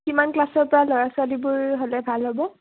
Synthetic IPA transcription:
kimanklasɔɹpɔɹalɔɹaswalibʊɹɦolɛbʱalɦobɔ

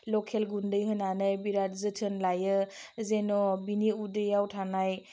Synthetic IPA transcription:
lɔkʰelɡundɯjɦɯnanɯjbiɾat̚zɯtʰɯnlajɯzenɔbiniudɯjawtʰanaj

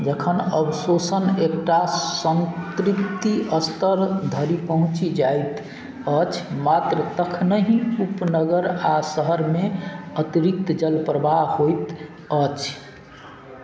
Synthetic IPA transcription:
d͡ʒəkʰənəbsosənekʈasənkɾipt̪iʔəst̪əɾd̪ʱəɾipəɦũt͡ʃid͡ʒajt̪ | ət͡ʃʰmat̪ɾət̪əkʰnəɦĩupnəɡəɾasəɦəɾmeət̪iɾik̚t̪d͡ʒəlpɾəbahojt̪ | ət͡ʃʰ

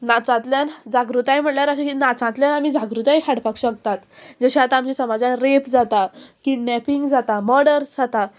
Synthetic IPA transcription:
nat͡sãt̪ljand͡zaɡɾut̪ajm̤əʈljaɾəɕekinat͡sãt̪ljanamiːd͡zaɡɾut̪ajɦaɽpakɕək̚t̪at̪d͡zəɕaat̪aːmt͡ɕesəmad͡zãɾepd͡zat̪akiɖnɛpiŋɡd͡zat̪amɔɽəɾsd͡zat̪a

